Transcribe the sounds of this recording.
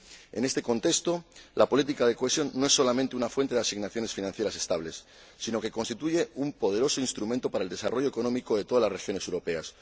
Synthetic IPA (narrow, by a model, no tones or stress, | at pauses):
e̞̰ne̞st̪eko̞nt̪e̞kst̪o̞lʔapo̞lit̪ikað̞e̞koesjo̞nːoe̞sːo̞lamẽnt̪e̞unafwe̞nt̪eðasiɣnaθjo̞ne̞sfinãnθjeɾase̞̥st̪aβ̞le̞sː | ino̞ke̞ko̞nst̪it̪uʝe̞umpo̞ð̞e̞ɾo̞so̞inst̪ɾumẽnt̪o̞paɾaeld̪e̞sa̰ro̞ʝoeko̞nomikoðe̞t̪o̞ðalasre̞xjo̞ne̞se̞wɾo̞pe̞as